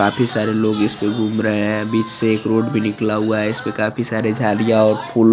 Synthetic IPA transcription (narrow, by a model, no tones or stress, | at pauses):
aːpʰisaːɾeloːɡɪspeɡʱuːmɾəɦeɦɛ̃biːt͡ʃseːkɾoːɖbʱinɪklaɦuaɦɛɪsmẽkaːpʰisaːɾed͡ʒʱaːlijaɔːɾpʰuːl